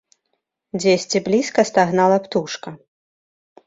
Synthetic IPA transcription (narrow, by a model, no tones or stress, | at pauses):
d͡zʲesʲt͡sʲiblʲiskɐst̪aɣnalˠɐpt̪uʂkɐ